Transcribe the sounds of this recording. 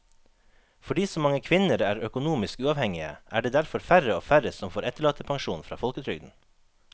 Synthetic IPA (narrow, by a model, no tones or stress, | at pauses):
fɔɖiːsɔmɑŋəkʰʋɪnəɾæːɾœkʊnuːmɪskʉːɑʋhɛŋɪə̰ʔæːɖeːd̪æɾfɔɾfæɾəoːfæɾəsɔmfoːɾɛt̪əɭɑːt̪əpʰɑŋʃuːnfɾɑ̰ːfɔlkət̪ʰɾʏɡd̪n̩